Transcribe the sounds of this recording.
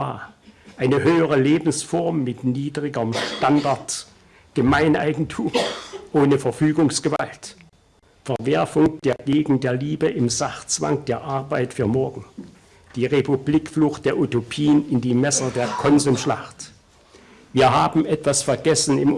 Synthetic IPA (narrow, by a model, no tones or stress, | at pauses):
a̰ːɐʔaɪnəhøːəʁ̞əleːbm̩sfɔɐmːɪtniːdʁɪɡɐmʃtandaɐt | ɡ̥əmaɪnʔa̰ɪɡŋ̩tʰuːmʔoːnəfɛɐfyːɡʊŋsɡ̥əva̰lt | fɛɐvɛɐfʊŋd̥eːɐɡeːɡŋ̩t̚d̥eːɐliːbəʔɪmzaχt͡sv̥a̰ŋk̚d̥eːɐʔaɐbaɪtfyːɐmɔɐɡŋ̩ | d̥iːʁepublikflʊxt̚d̥eːɐʔutopʰiːənɪndiːmɛsɐdeːɐkʰɔnzuːmʃla̰χt | viːɐɦaːbm̩ʔɛtv̥asfɛɐɡɛsn̩ɪm